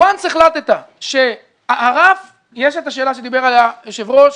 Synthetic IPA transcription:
anseχlat̪et̪a | ʃe̞ | aʔaʁaf | jeʃet̪aʃeːlaʃed̪ibe̞ʁaleaʃevʁoʃ

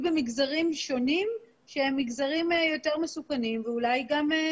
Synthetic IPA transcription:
be̞miɡzaʁimʃo̞nim | ʃeemːiɡzaʁimjo̞te̞ʁmesukanimveulajɡam

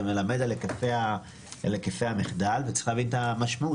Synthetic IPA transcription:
melame̞dalekefeja | lekefejhamiχdalvet͡si̥χavint̪amaʃmau

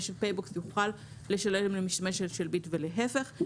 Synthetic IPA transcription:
ʃelpejboksjuχal | le̞ʃaletmlemiʃtameʃelʃelbitveleɦefe̞χ

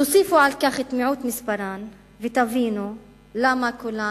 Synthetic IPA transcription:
t̪ʊsˤiːfuʕalkaːxɪt̪mɪʕuːt̪mɪsbaɾˤaːn | vɪt̪aviːnu | lamːakʊlːaː

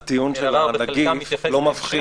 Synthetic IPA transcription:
t̪ijunʃelaanaɡiflo̞mafχi

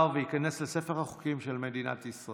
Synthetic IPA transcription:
ʁveikane̞slese̞feʁhaχu̥kimʃelmed̪ina̰t̪isʁa

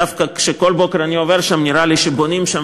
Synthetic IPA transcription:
afkakʃeko̞lbo̞keɾaniove̞ɾʃamniɾaliʃebo̞nimʃam

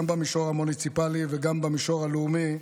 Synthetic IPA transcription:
mbamiʃo̞ʁhamunit͡sipaliveɡambamiʃo̞ʁalumi

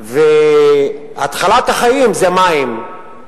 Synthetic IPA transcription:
ve | at̪χalat̪haχaimzemaim

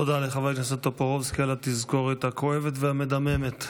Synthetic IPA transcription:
od̪aleχavajknasat̪apaʁovskalat̪izkoʁet̪akʰoevet̪veamed̪amemet̪

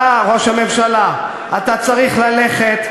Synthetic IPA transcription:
aʁo̞ʃhame̞mʃala | at̪at͡saʁiχlale̞χe̞t̪

